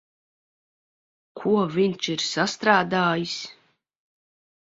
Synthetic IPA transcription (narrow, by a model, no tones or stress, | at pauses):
kʰuɔvʲinʲt͡ʃiɾsast̪ɾaːd̪aːjis